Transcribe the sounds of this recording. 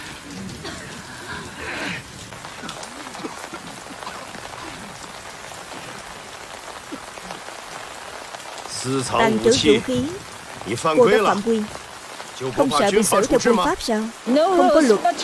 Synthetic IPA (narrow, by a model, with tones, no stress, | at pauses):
sɹ̩˧t͡sʰɑ˨˧za˨˩ŋt͡ɕɨ̰˧˥ṵ˧˥xi˨˦ən | ni˨˩fa˧nku˧e˥a˦fa̰ː˧˨mkwi˧n | t͡ɕjo˧xə˧wŋ͡msə̰ː˧˨ɓi˨˩ŋsɨ̰˧˥t̪ʰɛ˧ki˧faː˦˥p̚saː˧wxə˧ŋ͡mkɔ˨˦lwə˨˩t̚